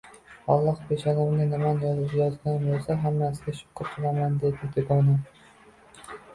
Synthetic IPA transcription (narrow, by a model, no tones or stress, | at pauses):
ɒlˠːɒhpʰeʃɒnɪmnɪnɪmanjɒzzjɒzɡʲanbosaɦamːasɪɡʲaʃʊ̥pʰːʊq̪ʰɨlˠamand̪e̞d̪ɪd̪ɪɡɒna